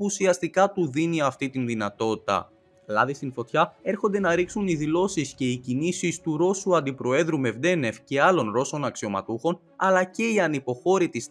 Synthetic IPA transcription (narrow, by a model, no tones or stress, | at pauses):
puːsiɐst̪ikɐt̪uðiniɐft̪it̪inðinɐt̪o̞t̪i̥t̪ɐ̰ | lɐðist̪info̞t̪çɐe̞ɾxo̞nd̪e̞nɐɾiksuniðilo̞sisce̞icinisist̪uɾo̞suɐnd̪ipɾo̞e̞ðɾume̞vd̪e̞ne̞fce̞ɐlo̞nɾo̞so̞nɐksio̞mɐ̰t̪uxo̞n | ɐlɐce̞iɐnipo̞xo̞ɾit̪is